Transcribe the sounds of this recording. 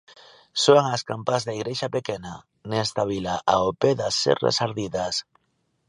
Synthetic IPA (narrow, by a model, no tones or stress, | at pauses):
soaŋaskampazðaiɣɾeʃapekena | nest̪aβ̞ilaʔaopeðasḛrḛsaɾðiðas